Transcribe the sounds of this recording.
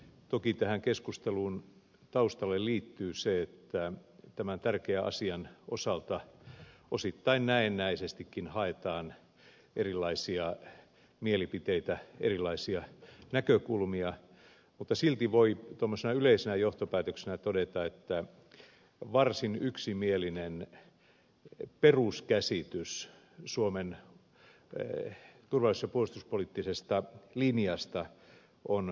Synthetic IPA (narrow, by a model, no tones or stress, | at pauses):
t̪okit̪æhæŋkeskust̪eluːn | t̪ɑust̪ɑlːelliːt̪ːyːseet̪ːæt̪æmænt̪ærkeæɑ̰siɑnosɑlt̪ɑʔosit̪ːɑinnæenːæisest̪ikːinhɑet̪ɑːn | ʔerilːˑɑisiɑ | mielipit̪eit̪æḛrilːˑɑisiɑnækøkulmiɑ | mut̪ːɑsilt̪iʋoit̪omːosenɑyleisenæjoht̪opæːt̪øksenæt̪odet̪ɑet̪ːæ | ʋɑrsinyksimielinen | peruskæsit̪ys | suomen | t̪urʋɑlːˑisjɑpuost̪uspoliˑt̪ːisest̪ɑlinijɑst̪ɑ | ʔon